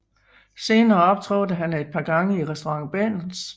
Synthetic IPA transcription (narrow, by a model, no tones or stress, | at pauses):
se̝ːnɐːɒ̽b̥̚t͡sʰʁɔ̰̽ːd̥əɦæned̥̚pʰɑ̈ːɡ̥ɑ̈ŋəiʁɛsd̥oʁɑ̈ŋb̥ḛnn̩s